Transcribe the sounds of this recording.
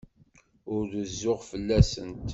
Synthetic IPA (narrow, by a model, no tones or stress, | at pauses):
ʊɾðəzːʊʁfəlːæsənt̪